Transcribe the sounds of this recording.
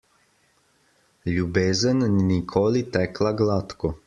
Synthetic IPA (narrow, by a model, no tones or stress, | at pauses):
ʎubezannikʰolit̪ɛklˠaɡlat̪ko